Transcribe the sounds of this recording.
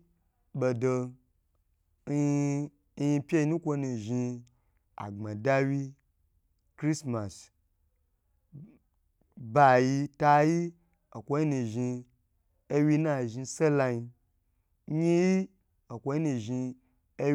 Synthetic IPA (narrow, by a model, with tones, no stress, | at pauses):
ɓo˨do˧˦˧ | ji˧pʲe˦i˧nũ˦kʷo˧˦nu˨ʒi˧ | a̰˨ɡ͡ba˨da˧wi˧ | kɾi˦sma˨s | ba˨ji˧ta˧ji˦ | o˨kʷo˦ji˦nu˨ʒi˧ | e˦wi˧na˦˨ʒi˧se˦la˧ji˧˦ | ɲi˦ji˦ | o˨kʷo˧˦ji˦nu˨ʒi˧ | e˦